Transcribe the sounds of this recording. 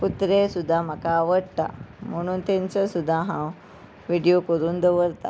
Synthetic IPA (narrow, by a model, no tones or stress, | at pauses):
put̪ɾesud̪ʱːam̤akaːʋəɽt̪a̰m̤əɽ̃uːnt̪ẽɲt͡səsud̪ʱːaɦãw | ʋiɽijokəɾuːnd̪əʋəɾt̪a̰